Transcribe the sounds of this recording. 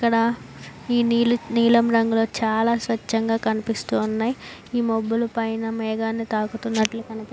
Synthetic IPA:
ikːɐɽɐiːniːluniːlɐmɾɐŋɡulo̞ːt͡ʃaːlaːsʋɐt͡ʃːɐŋɡaːkɐnipist̪uːunːaːjiiːmobːulupɐjnɐmɛːɡaːnːit̪aːkut̪unːɐʈlukɐnip

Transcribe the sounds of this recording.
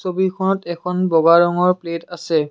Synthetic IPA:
sobikʰɔnɔtɛkʰɔnbɔɡaɹɔŋɔɹpletasɛ

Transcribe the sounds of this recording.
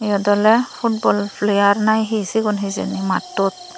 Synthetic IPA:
ijɔdɔlɛpʰut̚bɔlpʰlejaɹnajɦisikɔnɦizḛnima̰tːɔt̚

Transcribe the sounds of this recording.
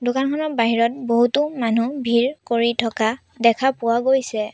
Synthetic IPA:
dʊkankʰɔnɔbaɦiɹɔt̚boɦutʊmanubʱiɹkoɹitʰɔka | dɛkʰapʊwaɡojsɛ

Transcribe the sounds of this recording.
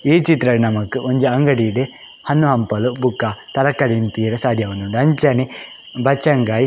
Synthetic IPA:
iːt͡ʃit̪ɾɐɽnɐmɐkːɯʔoɲd͡ʒɐɐŋɡɐɽiɽe | hɐnːuɦɐmpɐlubukːat̪ɐɾɐkːɐɽint̪iːɾɐsaːd̪ʱjɐʋɐnːuɳɖɐɲt͡ʃɐni | bɐt͡ʃːɐŋɡaːji

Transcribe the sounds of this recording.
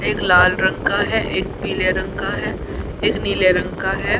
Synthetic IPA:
eːklaːlɾə̃ŋkaɦɛːʔeːk̚piːleɾə̃ŋkaɦɛː | eːkniːleɾə̃ŋkaɦɛː

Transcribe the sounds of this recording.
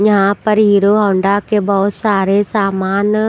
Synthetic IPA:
ɲɦãpɐɾɦiːɾoɦɔ̃ːɳɖakebɔɦʊt̪saːɾesaːmaːn

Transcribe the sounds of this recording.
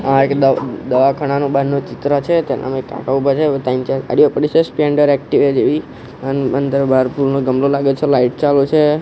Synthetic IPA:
ãekd̪əd̪əʋakʰəɽ̃anõbənːot͡ʃɪt̪ɾət͡ʃʰet̪enʔa̰mekːã̰kaubʱat͡ʃʰet̪aint͡ʃea̰ɽijopəɽit͡ʃespeɳɖəɾɛk̚ʈiʋed͡ʒeʋi | ənənd̪əɾbʱaɾpulnoɡəmlolaɡet͡ʃʰelaiʈ̚t͡ʃalut͡ʃʰe

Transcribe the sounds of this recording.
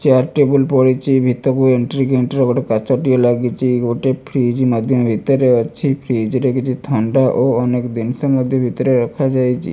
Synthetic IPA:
t͡ʃaɾʈebulpɔɽit͡ʃʰibʱit̪ɔkueɳʈɾiɡeɳʈeɾɡoʈekat͡ʃɔʈijolaɡit͡ʃʰiɡoʈepʰɾid͡ʒmad̪ʱjɔmebʱit̪ɔɾeɔt͡ʃʰipʰɾid͡ʒɾekit͡ʃʰit̪ʰaɳɖaʔoɔnekd̪insɔmɔd̪ʱjɔmbʱit̪ɔɾeɾakʰad͡ʒajt͡ʃʰḭ

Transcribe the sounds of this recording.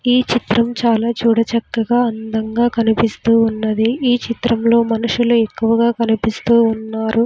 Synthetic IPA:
iːt͡ʃit̪ɾɐmt͡ʃaːlaːt͡ʃuːɽɐt͡ʃɐkːɐɡaːɐnd̪ɐŋɡaːkɐnipist̪uːunːɐd̪iiːt͡ʃit̪ɾɐmlo̞ːmɐnuʂulue̞kːuʋɐɡaːkɐnipist̪uːunːaːɾu

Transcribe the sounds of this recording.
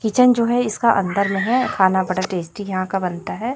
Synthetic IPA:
kit͡ʃənd͡ʒoːɦɛɪskaʔɐ̰̃nd̪əɾmẽɦɛkʰaːnabɐɽaʈeːsʈijɐɦãkabɐnt̪aɦɛː

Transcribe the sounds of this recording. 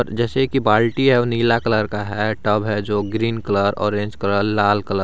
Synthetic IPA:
ɔɾd͡ʒɛːsekibaːlʈiɦɛoniːlakələɾkaɦɛʈəbɦɛd͡ʒoːɡɾiːnkələɾɔ̰ːɾẽːnd͡ʒkəɾəːaːlkələɾ

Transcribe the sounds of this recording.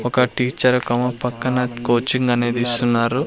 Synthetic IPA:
ɔkɐʈiːt͡ʃɐɾkɐmɐpɐkːɐnɐkoːt͡ʃiŋɡɐneːd̪iːst̪unːaːɾu

